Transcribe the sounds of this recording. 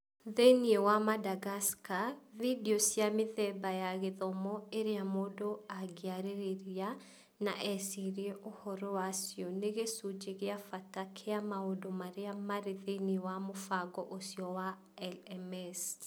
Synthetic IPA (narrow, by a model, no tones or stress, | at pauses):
ðeniewamadaɡaskavideɔsjamɪðɛbajaɣeðɔmɔeɾeamodoaɡeaɾeɾeɾia | naʔɛsiɾieʔohɔɾɔwasjɔneɣesud͡ʒeɣeafatakʰeamaodomaɾeamaɾeðeniewamofaɡɔʔosjɔwa | ɛlɛmɛs